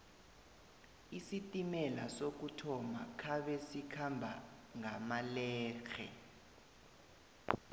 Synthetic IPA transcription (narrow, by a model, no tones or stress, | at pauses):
isitʼimɛlasok̬utʰɔmakʰaɓɛsikʰambʱa | ŋamalɛːxɛ̰